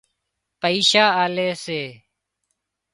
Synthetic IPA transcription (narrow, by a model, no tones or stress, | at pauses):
pəiːʃaːaːleːseː